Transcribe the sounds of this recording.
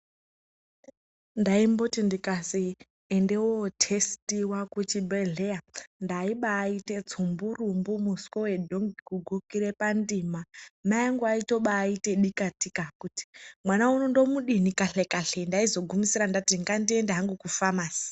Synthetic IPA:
ndaimbotindikasi | endewootʰestiwakut͡ʃibeɮejandaiɓaːite̞t͡sʰumburumbumuskowedʱoŋɡikuɡʱukiɾe̞pandimamajaŋɡuaito̞ɓaːiteɗikatikakuti̥mwanaunondomuɗinikaɬekaɬendaizo̞ɡʱumisiɾandatiŋɡandie̞ndeɦaŋɡukufamaːsi̥

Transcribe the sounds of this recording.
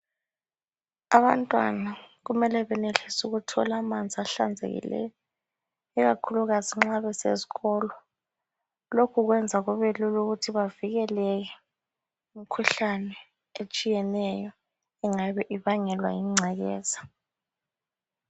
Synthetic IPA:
aβantʼwa̰naɣumɛlɛβɛneɬisuɣutʰɔ̰lamand͡zʱiaɬa̰nd͡zʱḛɣḭlɛ̰jɔ | ɛɣakʰuluɣaziŋ͡ǁaβɛsḛzi̥ɣɔːlɔ | lokʰuɣwɛnd͡zʱaɣuβeluluɣutʰiβaviɣɛlɛk̬ɛ | umikʰuɬanɛ | et͡ʃʼijɛnɛjɔ | ɛŋaβɛʔiβaŋɛlwa̰jiŋ͡ǀʱɛɣɛ̰ːza

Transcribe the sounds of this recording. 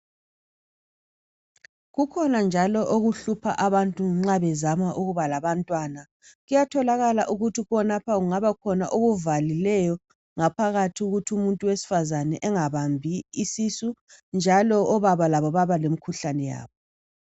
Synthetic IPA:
ɣukʰɔnand͡ʒʱalɔʔoɣuɬupʰaʔaβantʼuŋ͡ǁaβɛzamaʔuɣuβalaβantʼwana | ɣujatʰɔlaɣalaʔuɣutʰiɣɔnapʰaɣuŋaβakʰɔnaʔoɣuvalilɛjɔ | ŋapʰaɣatʰiɣuɣutʰiumuntʼuwesi̥fazanɛʔɛŋaβambʱiisisund͡ʒʱalɔʔɔβaβalaβɔβaβalemikʰuɬanɛja̰ːβɔ

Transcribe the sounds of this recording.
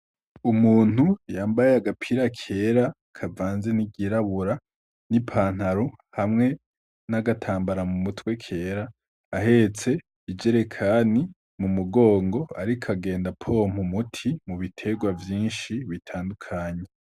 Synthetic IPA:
umuːn̥hujaːmbajeaɡapʰiɾakʰe̞ɾa | kʰavaːnze̞niɡiɾaβuɾa | nipʰaːn̥haɾohamŋe̞ | naɡatʰaːmbaɾamumutwe̞kʰe̞ːɾaː | ɦe̞t͡se̞ | id͡ʒe̞ɾe̞kʰani | mumuɡo̞ːŋɡo̞aɾikʰaɡe̞ːndapʰo̞m̥umutʰimuβitʰe̞ɡwavjiːnʃiβitʰaːndukʰaːɲe

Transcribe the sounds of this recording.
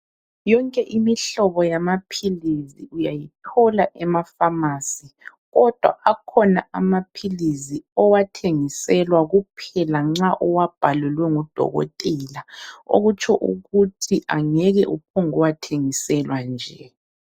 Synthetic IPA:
jɔŋkʼɛʔimiɬɔβɔjamapʰiliziujajitʰɔlaʔɛmafamasi | ɣɔd̥ʱwa̰akʰɔna̰amapʰiliziɔwatʰeŋisɛlwaɣupʰɛlaŋ͡ǁaʔɔwab̥ʱalɛlwɛŋud̥ʱɔ̰ɣɔ̰tʼɛlao̰ɣut͡ʃʰʼɔʔṵɣutʰiʔaŋɛɣɛʔupʰɔŋɔwatʰeŋisɛlwand͡ʒʱɛ

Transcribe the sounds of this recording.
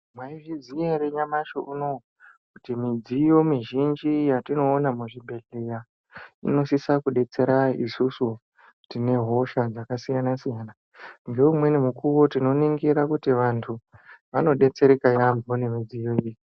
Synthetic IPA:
mwaiʐizijeɾeɲamaʃoʔuno̞ | kutimid͡zijo̞miʒind͡ʒijatino̞ːnamuʐibʱe̞ɮera | ḭno̞sisakuɗe̞t͡se̞ɾaḭsusu | tine̞ɦo̞ʃad͡zakasijanasijaːna | ŋɡe̞umwe̞nemukuʋo̞tino̞niŋɡiɾakutiʋantʰuʋano̞ɗe̞t͡se̞ɾekajambone̞mid͡zijo̞iji

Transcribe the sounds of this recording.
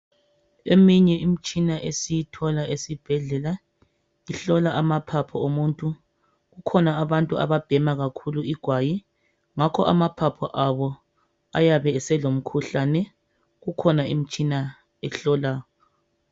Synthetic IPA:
emiɲɛʔimit͡ʃʼinaʔesijitʰɔlaʔesib̥ʱɛɮɛla | iɬɔlaʔamapʰapʰɔomuntʼu | ɣukʰɔnaːβantʼua̰βab̥ʱɛmaɣakʰuluiɡ̥ʱwaji | ŋakʰɔ̰ʔamapʰapʰɔʔaβɔ | a̰jaβɛːsɛlom̩kʰuɬanɛ | ɣukʰɔnaim̩t͡ʃʼina | ɛɬɔlaːjɔ

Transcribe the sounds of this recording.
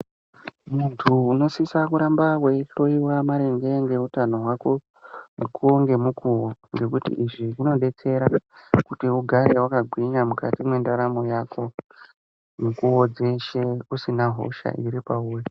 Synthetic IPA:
muntʰuːno̞sisakuɾambaweɬo̞iwamaɾeŋɡe̞ŋɡe̞utano̞ɦwako̞ | mukʰuoŋɡe̞mukuwoŋɡe̞kutḭʔiʐiuno̞ɗe̞t͡se̞ɾakutiuɡʱaɾewakaɡʱwiɲamuka̰timwe̞ndaɾamo̞jaːkʰo̞ | mukuod͡zeʃeusinaɦo̞̰ʃa̰ʔiɾipauːwe

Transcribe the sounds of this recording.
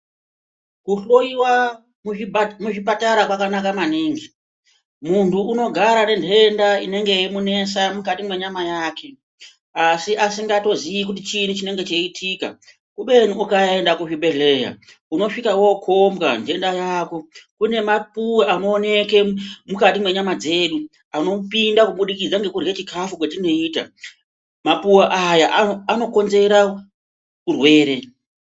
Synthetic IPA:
kuɬo̞iwa | mmuʐipataɾakwakanakamaniːŋɡi | muntʰuːno̞ɡʱaɾane̞nde̞ndaine̞ŋɡe̞jemune̞samukatimwe̞ɲamajaːkʰe̞ | asiʔasiŋɡato̞zijikut̬it͡ʃinut͡ʃine̞ŋɡe̞t͡ʃeitʰika̰ | kuɓe̞nuːkae̞ndakuʐiɓe̞ɮe̞ja̰ | uno̞ʂikawo̞kʰomɡand͡ʒe̞ndajako̞kune̞mapuwaano̞ːne̞ke̞mukatimwe̞ɲamad͡ze̞ːɗu | ano̞pindakuɓuɗikid͡zaŋɡe̞kurɡet͡ʃikafukwetino̞iːta̰ | mapuwaʔajaʔaano̞ko̞nze̞ɾa | kurwe̞ːɾe̞

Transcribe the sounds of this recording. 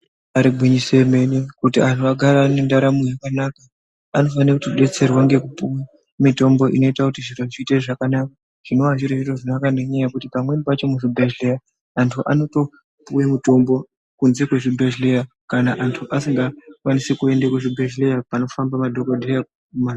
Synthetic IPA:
aɾiɡʱwiɲise̞menekutiantʰuaɡʱaɾanendaɾamujakanakaː | no̞fanirekutiɓe̞t͡se̞rwaŋɡe̞kupuwa | mito̞mbo̞ʔino̞itakutiʐiroʐiteʐakanaka | ʐ̥ino̞ʋaʐiroʐiroʐinakaneɲajakutipamwe̞nipat͡ʃo̞muʐibʱeʒlejaː | ntʰuʔa̰no̞to̞ | puwemuto̞mbo̞ | kunze̞kweʐibʱeʒleja | kanaʔantʰuʔasiŋɡakwanisekue̞ndakweʐibʱeʒlejapano̞fambamadʱokodʱejak | ma

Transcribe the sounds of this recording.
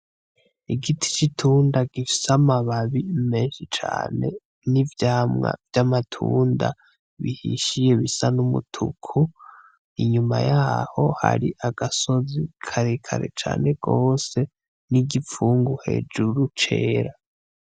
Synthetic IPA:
iɡitʰi̥t͡ʃitʰuːndaɡifi̥samaβaβimeːnʃit͡ʃa̰ːne̞̰ | nivjaːmŋa̰vjamatʰuːnda̰ | βihḭʃije̞βisanumṵtʰṵkʰu | iɲuma̰jaːho̞ha̰ɾiʔaɡ̥aso̞zikʰaɾekʰa̰ɾe̞̰t͡ʃa̰ːne̞ɡ̥o̞ːse̞ | niɡifuːŋɡuhe̞̰d͡ʒuɾut͡ʃe̞ːɾa

